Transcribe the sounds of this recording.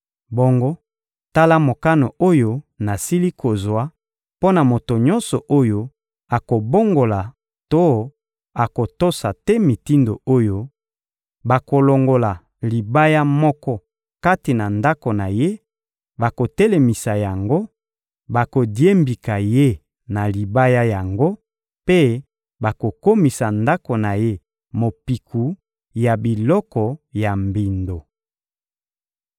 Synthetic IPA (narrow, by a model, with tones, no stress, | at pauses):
bo˦ŋɡo˦ | ta˦la˦mo˨ka˦no˨o˦jo˦na˨si˦li˦kʰo˨zwa˦ | po˦na˨mo˨to˨ɲɔ̃˦nsɔ˨ʔo˦jo˦ | a˨ko˨bo˦ŋɡo˨la˨ | to˦ | a˨ko˨to˦sa˨tɛ˦mi˨ti˦ndo˨o˦jo˦ | ba˨ko˨lo˨ŋɡo˨la˨ | li˨ba˦ja˦mɔ˦kɔ˦ | ka˦ti˨na˨nda˦ko˨na˨je˦ | ba˨ko˨te˦le˨mi˨sa˨ja˨ŋɡo˦ | ba˨ko˨dje˦mbi˨ka˨je˦ | na˨li˨ba˦ja˦ja˨ŋɡo˦ | pe˦ | ba˨ko˨ko˦mi˨sa˨nda˦ko˨na˨je˦ | mo˨pi˨kʰu˨ | ja˨bi˨lɔ˦kɔ˨ja˨mbi˨ndo˨